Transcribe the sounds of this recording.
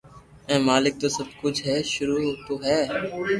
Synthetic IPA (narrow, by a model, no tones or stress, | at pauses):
ɛ̃ːmaːlɪk̚t̪oːsəb̚ʱkʊd͡ʒʱɦɛːʃʊɾuːt̪oːɦɛː